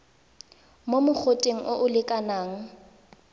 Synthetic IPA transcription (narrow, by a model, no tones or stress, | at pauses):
momʊk͡xʰotʼeŋ̩ʔoʔʊlɪkʼanaːŋ̩